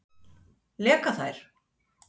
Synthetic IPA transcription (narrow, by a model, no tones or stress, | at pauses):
lɛːkaθajɾ̥